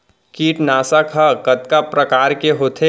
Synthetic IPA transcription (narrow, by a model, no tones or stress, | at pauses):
kiːʈnaːsakʰɐkət̪kapɾəkaːɾkeɦoːt̪ʰe